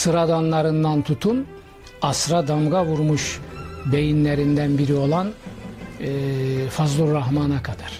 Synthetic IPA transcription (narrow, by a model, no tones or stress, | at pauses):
sɯɾad̪anlˠaɾɯnd̪ant̪ʰut̪ʰun | ɑsɾad̪amɡavuɾmuʃbe̞jinlʲeɾind̪ænbiɾio̞lˠan | fazlˠuɾːaɦmanakʰad̪aɾ̥